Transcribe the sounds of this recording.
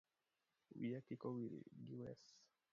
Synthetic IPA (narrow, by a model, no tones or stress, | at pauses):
wiakikɔwiɾḭɡiwɛ̰s